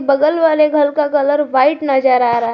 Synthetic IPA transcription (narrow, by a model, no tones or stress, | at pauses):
bɐɡəlʋaːleɡʱəlkakələɾʋaːɪʈnɐd͡ʒəɾaːɾaɦ